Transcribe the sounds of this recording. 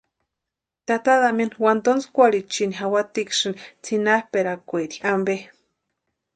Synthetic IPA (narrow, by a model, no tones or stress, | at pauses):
t̪at̪aðamenwant̪onskʷalit͡ʃiniɦawat̪ikʃint͡sʰinahpeɾakʷeɾiambe